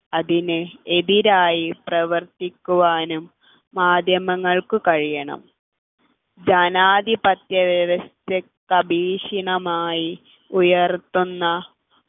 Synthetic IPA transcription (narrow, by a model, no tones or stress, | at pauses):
ɐðinɨeðiɾaːjiprɐʋɐrt̪ikʲːuʋaːnumː | aːd̪ʱjɐmɐŋːɐɭkukɐɻijɐɳɐ̰m | d͡ʑɐnaːd̪ipɐt̪jɐðɐʋɐst̪e | kɐbʱiːʂiɳɐmaːji | ujɐrt̪ːunːɐ